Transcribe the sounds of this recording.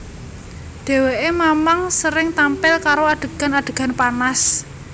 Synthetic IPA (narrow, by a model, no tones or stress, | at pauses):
d̪̥e̤weʔemamaŋsəɾɪŋt̪ampɪlkaɾoaɖ̥ə̤ɡ̥a̤naɖ̪̥ə̤ɡ̥a̤npanas